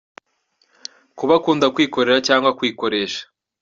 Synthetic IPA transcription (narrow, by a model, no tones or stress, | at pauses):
kuβakuːndakwiːko̞ɾe̞ɾacaːŋɡwakwiːko̞ɾe̞ːʃḁ